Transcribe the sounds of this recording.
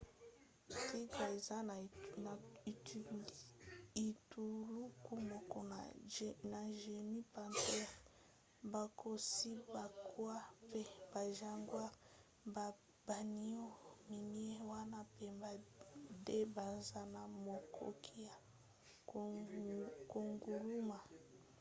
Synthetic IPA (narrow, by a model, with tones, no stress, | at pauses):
ti˦ka˨e˨za˦˨n˨i˨t | i˨tu˨lu˦ku˦mɔ˨kɔ˦n˨na˨ʒe˨ni˦pa˨ntɛ˦ | ba˨kʰo˨si˦ba˨kwa˦pe˦ba˨ʒa˦ŋɡwa˦ | b | ba˨ni˦o˦mi˨ni˦e˦wa˦na˦pe˦ba˨de˦ba˨za˦na˨mo˨kʰo̰˦kʰi˦ja˨ | ko˨ŋɡu˨lu˦ma˨